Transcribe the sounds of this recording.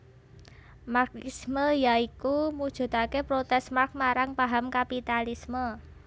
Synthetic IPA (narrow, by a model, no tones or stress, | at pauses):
markisməjaikumud̥ʒ̥ṳt̪akepɾot̪ɛsmark̚maɾaŋpaɦamkapit̪alismə